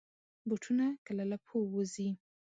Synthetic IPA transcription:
buʈʰunakalalapʰowozi

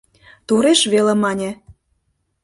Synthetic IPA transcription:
t̪uɾeʃβelemɑnʲĕ

